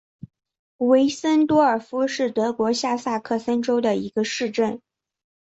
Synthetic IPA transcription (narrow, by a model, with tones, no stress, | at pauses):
we˧˥ɪsə˥nt̪wɔ˥ə˞˨˩fu˥ʂɻ̩˥˩t̪ɤ˧˥kwɔ˧˥ɕja˥˧sa˥˧kʰɤ˥˩sə˥nʈ͡ʂo˥ʊd̪ə˨i˧˥ɡə˧ʂɻ̩˥˧ʈ͡ʂə˥˩n